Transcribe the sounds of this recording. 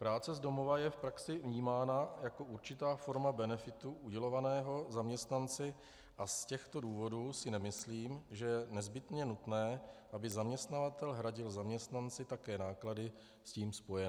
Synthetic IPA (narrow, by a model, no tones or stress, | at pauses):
pɾaːt͡sɛzdo̞mo̞vajɛfpɾaksɪvɲiːmaːnajako̞ʔuɾt͡ʃɪt̪aːfo̞ɾmabɛnɛfɪt̪uʔuɟɛlo̞vanɛːɦo̞zamɲɛst̪nant͡sɪ | ʔascɛxt̪o̞duːvo̞duːsɪnɛmɪsliːmʒɛjɛnɛzbɪt̪ɲɛnut̪nɛːʔabɪzamɲɛst̪navat̪ɛlɦɾaɟɪlzamɲɛst̪nant͡sɪt̪akɛːnaːkladɪ | sciːmspo̞jɛn